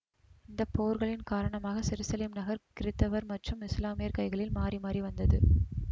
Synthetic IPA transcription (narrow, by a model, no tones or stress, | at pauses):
ɪnd̪ɐpːoːɾɣɐɭɪnkaːɾɐɳɐmaːɣɐsɪɾɯsɐlɪmnɐɣɐɾkɪɾɪt̪ːɐʋɐɾmɐʈrɯmɪslaːmɪjɐɾkɐɪɣɐɭɪlmaːrimaːriʋɐnd̪ɐðɯ